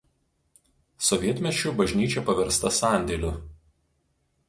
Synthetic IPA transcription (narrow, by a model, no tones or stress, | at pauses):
sɔʋʲiɛt̪ʲmʲɛt͡ʃʲʊˑbɐʒʲnʲiːt͡ʃʲɛpɐʋʲɛɾst̪ɐsɑˑnʲd̪ʲɛlʲʊ